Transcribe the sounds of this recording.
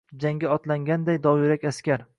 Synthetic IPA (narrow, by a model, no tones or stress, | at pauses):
d͡ʒaŋɡʲaɒt̪laŋɡʲand̪ajd̪ɒwɪɾakʲaskʲaɾ